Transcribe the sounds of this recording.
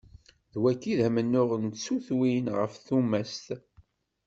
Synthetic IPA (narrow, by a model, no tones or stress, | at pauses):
ðwækːiðæmənːʊʁənt̪suθwinʁəfθumæst̪